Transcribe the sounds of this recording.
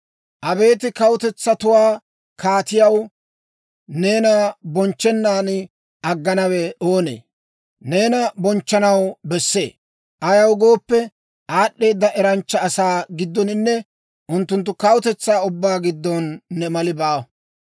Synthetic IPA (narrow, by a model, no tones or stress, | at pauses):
ʔɐbe̞ːt̪ɪkɐwʊt̪ɛt͡sːɐt̪ʊwaː | kaːt̪ɪjɐw | ne̞ːnɐbɔnt͡ʃːɛnːaːnɪ | ɐɡːɐnɐwɛoːnḛː | ne̞ːnɐbɔnt͡ʃːɐnɐwbɛsːe̞̰ː | ʔɐjɐwɡo̞ːpːɛ | aːɗːe̞ːd̪ːɐʔɛɾɐnt͡ʃːɐːsaːɡɪd̪ːɔnɪnːɛ | ʔʊnt̪ːʊnt̪̬ːʊkɐwʊt̪ɛt͡sːaːʊbːaːɡɪd̪ːɔnːɛmɐlɪbaː